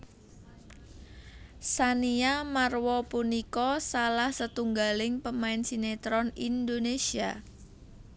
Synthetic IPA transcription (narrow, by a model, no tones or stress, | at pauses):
saniamarwɔpunikɔsalahsət̪uŋɡalɪŋpəmaɪnsinet̪ɾɔnind̪onesia